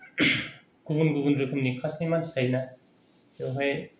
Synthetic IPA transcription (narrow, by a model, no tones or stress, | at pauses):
ɡ̥ubunɡubɯnɾɯkʰɯmnikʰasnimansajna | jowɦaj